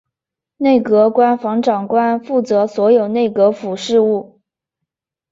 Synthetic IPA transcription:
ne˥˩ɪkɤ˧˥kwa˥nfɑ˧˥ŋʈ͡ʂɑ˨˩ŋkwa˥nfu˥˩t͡sɤ˧˥swɔ˧˥jo˨˩ʊne˥˩ɪkɤ˧˥fu˨˩ʂɻ̩˥˧u˥˩

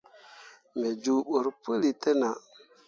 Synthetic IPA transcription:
me˨d͡ʒu˨ɓu˨ɾpu˦li˨tə˦na˨

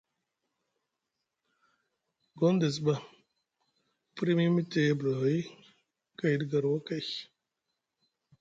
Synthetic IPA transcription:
ɡɔ˦nde˨s̬ba˦˨ | pɾi˦mi˦mi˦te˨˦bla˨˦i˦ | ka˦˨jdɡa˨ɾwo˦ka˦˨

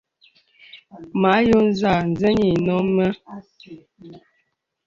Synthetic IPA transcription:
ma˨˦jo˦n̩˦za˨n̩˨zə˦ɲi˨nɔ˦mə˦

